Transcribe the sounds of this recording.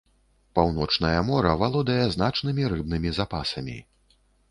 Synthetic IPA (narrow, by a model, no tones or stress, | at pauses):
pawn̪ɔt͡ʂnɐjɐmɔɾɐvalˠɔd̪ɐjɛzn̪at͡ʂnɨmʲiɾɨbnɨmʲizapasɐmʲḭ